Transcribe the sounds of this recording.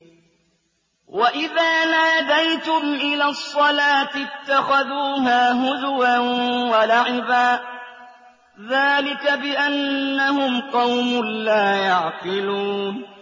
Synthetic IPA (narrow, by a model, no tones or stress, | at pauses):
wʔaʔɪðaːnaːd̪ajt̪ʊmʔɪlaːsˤːɑlaːt̪ɪt̪ːaxaðuːɦaːɦʊdwawalaʕɪbaː | ðaːlɪkabɪʔanːahʊmqɑwmʊnlaːjɑʕqɪluːn